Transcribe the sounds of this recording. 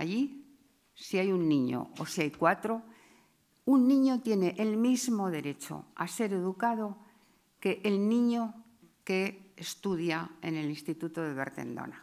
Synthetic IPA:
aji | siajunːĩɲo̰o̰siajkwat̪ɾo̞ | unːĩɲot̪je̞ne̞ʔelmizmo̞ðe̞ɾe̞t͡ʃo̞̰a̰se̞ɾe̞ðukað̞o̞ | ke̞ʔelnĩɲo | ke̞ːst̪uðjae̞ne̞linst̪it̪ut̪oðe̞βe̞̰ɾt̪e̞̰nd̪o̰na

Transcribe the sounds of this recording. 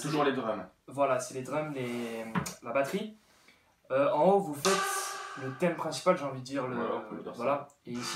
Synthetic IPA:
t̪uʒuʁled̪ʁœmvwalasɛled̪ʁœmle | labat̪χi | øɑ̃ovufɛt̪lət̪ɛmpχɛ̃si̥palʒeɑ̃vid̪əd̪iʁləvwalaeis

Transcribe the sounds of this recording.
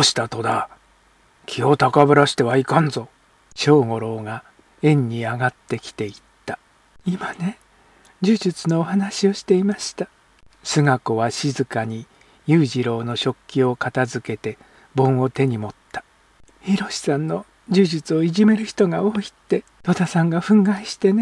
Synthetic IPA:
oɕi̥t̪at̪o̞d̪a | kʲʰio̞t̪akabɯ̟ɾaɕi̥t̪e̞βaikãnzo̞ | ɕo̞ːŋo̞ɾo̞ːɡa | ẽ̞ɲ̟ːiaɡat̪ːe̞kʲi̥t̪e̞it̪ːa | imane̞ | d͡ʑɨːʑit͡sɨno̞ːhanaɕio̞ɕi̥t̪e̞imaɕi̥t̪a | sɨŋako̞βaɕizɨkaɲ̟i | jɨːʑiɾo̞ːno̞ɕo̞kʲːio̞kat̪azɨke̞t̪e̞ | bõ̞ɰ̃o̞t̪e̞ɲ̟imo̞t̪ːḁ | çiɾo̞ɕi̥sãnːo̞ | d͡ʑɨːʑit͡sɨo̞iʑime̞ɾɯ̟çi̥t̪o̞ɡao̞ːi̥t̪ːe̞ | t̪o̞t̪asãŋɡaɸɯ̟̃ŋɡaiɕi̥t̪e̞ne

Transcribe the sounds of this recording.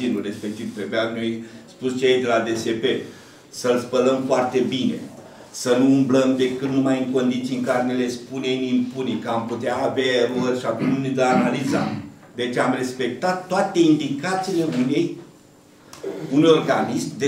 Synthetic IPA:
inure̞spe̞k̚t̪ivt̪ɾebeamnojspust͡ʃejejd̪elad̪e̞se̞pe̞ | səlspələmfoart̪e̞bine̞̰ | sənuːmbləmd̪e̞kɨt̪numajɨŋko̞nd̪it̪siɨŋkaɾenele̞spunemimpunikəamput̪eaːvarorʲʃakumnuned̪əanaliza̰ | d̪e̞t͡ʃamre̞spe̞k̚t̪at̪ːoat̪e̞ind̪ikat̪siːle̞une̞j | unjo̞rɡanismʲd̪e

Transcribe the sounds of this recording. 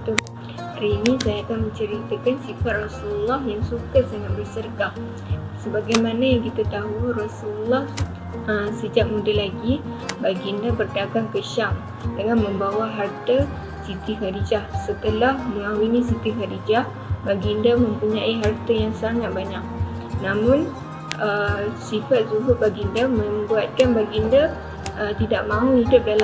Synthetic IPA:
t̪u | haɾiːnĩsajaːkanmə̃ɲt͡ʃəɾit̪akansifat̪̚rasuləlːaɦjaŋsukat̪̚saŋat̪̚bərsərka | səbaɡajmanajaŋkit̪at̪aɦurasuləlːah | əmsəd͡ʒaʔ̚mudalaɡibaɡiəndabərdaɡaŋkəʃaŋ | dəŋanmə̃mbawaɦart̪a | sit̪iɦadid͡ʒahsət̪əlahməŋauinisit̪iɦadid͡ʒah | baɡindamə̃mpuɲaiɦart̪ajaŋsaŋat̪̚baɲak̚ | namʊn | əsifat̪̚suɦʊʔ̚baɡindaməmbuat̪̚kanbaɡiənda | ət̪idaʔmãuidʊʔ̚dala

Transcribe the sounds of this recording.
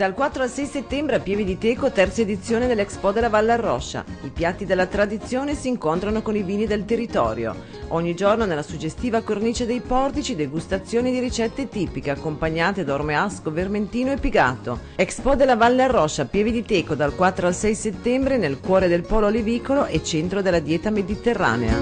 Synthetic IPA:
d̪̥alkwat̪ːɾoalsɛjset̪ːɛmbɾeapjɛːvid̪it̪eːkot̪ɛrt̪saed̪it̪sːjoːned̪elːɛkspɔd̪elavalːearːɔʃːa̰ipjat̪ːid̪elːat̪ɾad̪it̪sːjoːnesiːŋkont̪ɾanokoniviːnid̪elt̪erːit̪ɔ̰ːɾjo̰ | ɔɲːid͡ʒornonelːasud͡ʒest̪iːvakorniːt͡ʃed̪ejpɔrt̪it͡ʃid̪eɡust̪at̪sːjoːnid̪iɾit͡ʃɛt̪ːet̪iːpikeakːompaɲːaːt̪ed̪aormeaskoverment̪iːnoepːiɡaːt̪o̰ɛkspɔd̪elavalːearːɔʃːapjɛːvid̪it̪eːkod̪alkwat̪ːɾoalsɛjset̪ːɛmbɾenelkwɔːɾed̪elpɔːloleviːkoloʔet͡ʃːɛnt̪ɾod̪elːad̪jɛːt̪amed̪it̪erːa̰ːnḛa̰

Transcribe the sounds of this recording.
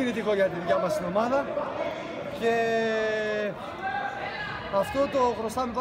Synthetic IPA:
iɾit̪iko̞ʝɐt̪iðjɐmɐst̪ino̞mɐðɐ | ce̞ | ɐft̪ot̪oxɾo̞st̪ɐmep

